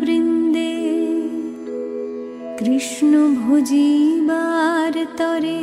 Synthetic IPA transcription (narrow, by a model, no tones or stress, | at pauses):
bɾind̪e | kɾiʃnobʱud͡ʒibaɾt̪ɔɾe